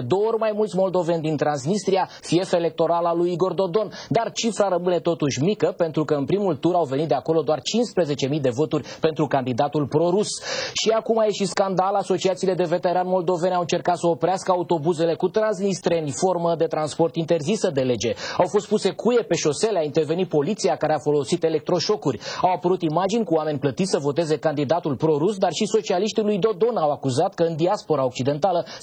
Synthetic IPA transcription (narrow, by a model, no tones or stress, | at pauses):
d̪o̞oorʲmajmult̪sʲmo̞ld̪o̞ve̞nʲd̪int̪ɾansnist̪ɾiafie̞fele̞k̚t̪o̞ɾalalujiɡo̞rd̪o̞d̪o̞nd̪art͡ʃifɾaɾəmɨne̞t̪o̞t̪uʃʲmikəpe̞nt̪ɾukəɨnpɾimult̪uɾawve̞nit̪d̪eako̞lo̞d̪oart͡ʃinspɾe̞ze̞t͡ʃe̞mijd̪e̞vo̞t̪urʲpe̞nt̪ɾukand̪id̪at̪ulpɾo̞ɾusʃiakumajeʃiskand̪alaso̞t͡ʃiat̪siːle̞d̪e̞ve̞t̪e̞ɾanmo̞ld̪o̞ve̞nawɨnt͡ʃe̞rkat̪səopɾeaskəaut̪o̞buze̞le̞kut̪ɾans̬nist̪ɾenʲfo̞rməd̪e̞t̪ɾanspo̞rt̪int̪e̞rzisəd̪e̞le̞d͡ʒe̞awfo̞st̪̚puse̞kʰuje̞pe̞ʃo̞se̞leaint̪e̞rve̞nit̪̚po̞lit̪sijakaɾeafo̞lo̞sit̪e̞le̞k̚t̪ɾo̞ʃo̞kurʲawapəɾut̪imad͡ʒinʲkuoame̞nʲplət̪it̪ʲsəvo̞t̪e̞ze̞kand̪id̪at̪ulpɾo̞ɾusd̪arʃiso̞t͡ʃialiʃt̪ilujd̪o̞d̪o̞nawakuzat̪kəɨnd̪iaspo̞ɾao̞k̚t͡ʃid̪e̞nt̪alə